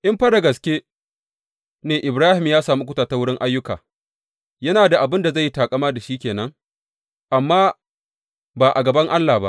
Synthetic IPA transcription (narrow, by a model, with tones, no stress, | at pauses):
ʔɪ˦mɸɐ˦da˨ɡɐ˨skʲeː˦ | neː˨ʔɪ˨bɾaː˦hɪ˨mjaː˦saː˨mu˦kʷʊ˦taː˨ta˦wʊ˦ɽɪ˦ŋʔa˦jːʊ˦ka̰ː˨ | jɐ˦naː˨da˨ʔa˨bɪ˦nda˨za˦˨jːi˦taː˨kʼɐ˦maː˦da˨ʃiː˦kʲeː˨nɐ˦ŋ | ʔa˨mːaː˦ | baː˨ʔa˨ɡɐ˨bɐ˦ŋʔa˦lːaː˨ba̰˦ʔ